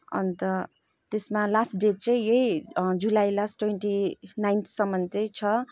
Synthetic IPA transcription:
ʌ̰nt̪ʌ | t̪esmalasʈɖet͡sʌ̃j̃jʌid͡zulajlasʈwenʈinajnt̪ʰsʌmːʌnt͡sʌjt͡sʰʌ

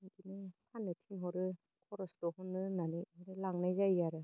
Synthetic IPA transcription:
ɡinɯpʰanːɯtʰinɦɔɾɯ | kʰɔɾɔsdɔhɔnːɯnanɯhɾɯlaŋnajzajaɾɯ

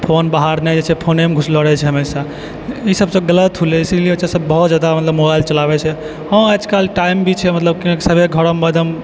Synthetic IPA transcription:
pʰonbaɦaɾnɛd͡ʒet͡ʃʰɛpʰonemɡʱusləɾɛt͡ʃʰɛɦəmesa | isəbsə̃ɡələt̪ɦuleisliot͡ʃasəbːəɦut̪d͡ʒad̪amət̪ləbmobajlt͡ʃəlabɛt͡ʃʰɛ | hə̃ad͡ʒkalʈaimbʱit͡ʃʰɛmət̪ləb̚kinksəbʱeɡʱəɾəmːəd̪ʱəm

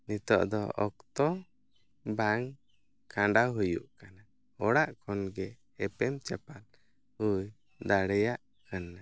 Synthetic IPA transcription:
nit̪ɔʔd̪ɔɔkt̪ɔ | baŋ | kʰãɳɖawɦujṵʔkana | ɔɽaʔkʰɔnɡɛː | pɛmt͡ʃɛpal | uj | d̪aɽɛjaʔ | kana

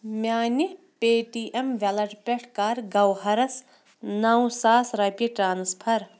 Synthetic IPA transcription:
mʲaːni | peːʈiʔemʋɐlɐʈpʲeʈʰkaːɾɡɐwɦɐɾɐs | nɐwsaːsɾɐpʲiʈɾaːnspʰɐɾ

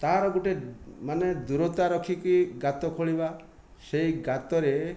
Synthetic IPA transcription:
t̪aɾɔɡuʈemaned̪uɾɔt̪aɾɔkʰikuiɡat̪ɔkʰoɭiba | sejɡat̪ɔɾe

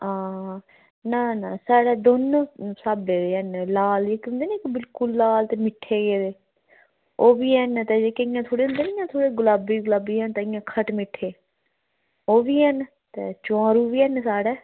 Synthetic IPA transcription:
ãː | nãːnãːsaːɽɛːd̪oːnõːsaːbeːd̪eːənlaːleːkʊ̃nd̪eːnẽːkɪbɪlkʊlːaːlt̪eːmɪʈʰːeːɡeːd̪eː | oːbiːɦɛnt̪eːd͡ʒeːkeɪjãːt̪ʰoːɽeːɦʊ̃nd̪eːɪjãːt̪ʰoːɽeːɡʊlaːbiːɡʊlaːbiːɦɛːnt̪eːɪjãːkʰəʈmɪʈʰːeː | oːbiːɦɛn | t̪ḛːt͡ʃãːɾuːbiːɛnsaːɽɛː

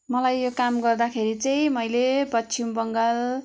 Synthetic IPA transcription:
mʌlajːokamɡʌrd̪akʰeɾit͡sʌj̃mʌjlepʌt͡sːt͡sʰimbʌŋɡal

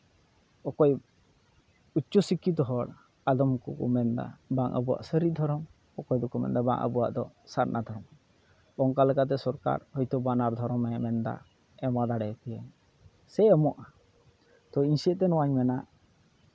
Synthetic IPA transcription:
ɔkɔj | ut͡ʃɔsikːit̪̬ɔɦɔɽ | ad̪ɔmkɔ̰kɔ̰mɛnd̪a̰baŋʔə̰buwa̰ʔsəɾid̪ʱɔɾɔm | ɔkɔjd̪ɔkɔmɛ̰nd̪aba̰ŋʔə̰buwa̰ʔd̪ɔ | saɾnʔad̪ʱɔɾɔm | bɔŋkalɛkat̪̬ɛsɔɾka̰ɾhɔjt̪ɔbanaɾd̪ʱɔɾɔmɛmɛnd̪a̰ | ɛmad̪aɽɛkɛjɛ | sɛɛmɔʔa | t̪ɔiɲsɛʔt̪ɛnɔwaɲmɛnaʔ

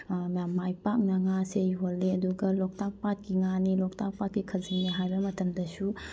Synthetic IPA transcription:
majamːajpak̚nɐŋasejɦolːeɐduɡɐlok̚tʰak̚pat̚kiŋanilok̚tʰak̚pat̚kikʰɐziŋneɦajbɐmɐtʰɐmdɐsu

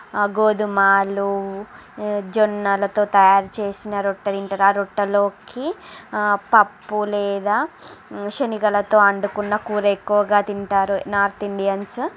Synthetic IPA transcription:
ɡoːd̪umaːlu | d͡ʒonːɐlɐt̪o̞ːt̪ɐjaːɾut͡ʃe̞ːsinɐɾoʈːɐt̪iɳʈɐɾaːɾoʈːɐlo̞ːki | pɐpːulɛːd̪aːʃɐniɡɐlɐt̪o̞ːɐɳɖukunːɐkuːɾekːuʋɐɡaːt̪iɳʈaːɾunaːɾt̪iɳɖijɐns

